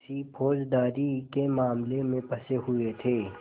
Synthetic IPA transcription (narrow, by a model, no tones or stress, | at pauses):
sipʰoːd͡ʒd̪aːɾikemaːmlemẽpɐseɦʊet̪ʰeː